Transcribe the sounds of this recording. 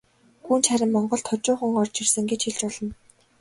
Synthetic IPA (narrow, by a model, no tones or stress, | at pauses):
xuːnt͡ɕχæɾʲɪ̆mːɔɴɢɞ̆ɬt̪ʰʊt͡ɕʊːχə̆ŋɔrt͡ɕirsɘ̆ŋɡet͡ɕxiɮt͡ɕɔɮɞ̆n